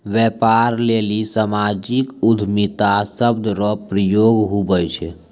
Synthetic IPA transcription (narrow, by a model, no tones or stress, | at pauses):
ʋjɛpaɾlelisamad͡ʒikud̪ʱmit̪asəbd̪ɾɔpɾəjoɡɦubəjt͡ʃʰɛ